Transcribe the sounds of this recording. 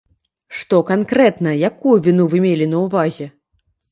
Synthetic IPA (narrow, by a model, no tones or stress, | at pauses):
ʂt̪ɔkankɾɛt̪nɐjakujuvʲinuvɨmʲelʲinɐwvazʲɛ